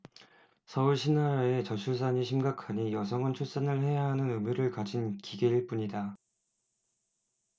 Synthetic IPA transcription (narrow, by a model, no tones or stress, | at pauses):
sʰʌuɭɕʰinːaɾaet͡ɕʌt͡ɕʰus̬ʰaɲiɕʰimɡakʰaɲijʌs̬ʰʌŋʌnt͡ɕʰus͈anɯɭhe̞jaɦanɯnɯmjuɾɯɭkad͡ʑinkiɡeiɭp͈uɲida